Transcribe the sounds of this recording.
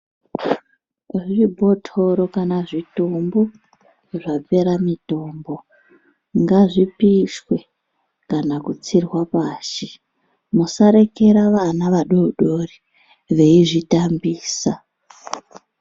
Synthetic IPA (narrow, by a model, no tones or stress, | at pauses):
ʐibʱo̞tʰo̞ɾokanaʐitombo | ʐap͡fe̞ɾamito̞ːmbo̞ | ŋɡaʐipiswe̞ | kanakut͡sirwapaːʃe | musaɾe̞ke̞ɾaʋanaʋaɗoɗori | ʋe̞iʐitambiːsa